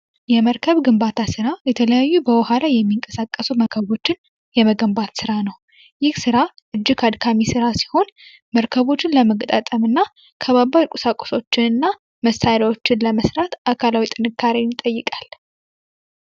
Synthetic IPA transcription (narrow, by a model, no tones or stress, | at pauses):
jɛməɾkʰəβɡɨmbat̪ʰasɨɾajɛt̪ʰələjajːubəwɔhalajɛmːiŋkʼəsakʼːəsuməkʰəβo̞t͡ʃːɪn | jɛməɡəmbat̪sɨɾanəw | jɪhsɨɾa | ʔɨd͡ʒːɪkʰad̪kʰamisɨɾasi̥ho̞n | məɾkʰəβo̞t͡ʃːɪnləməɡət̪ʼat̪ʼəmɨnːa | kʰəβabawkʷʼʊsakʷʼʊ̥so̞t͡ʃːɪnɨnːa | məst̪ʰaɾawo̞t͡ʃːɪnləməsɾat̪akʰalawit̪ʼɨnɨkʰːaɾenɪt̪ʼːəjːɨkʼal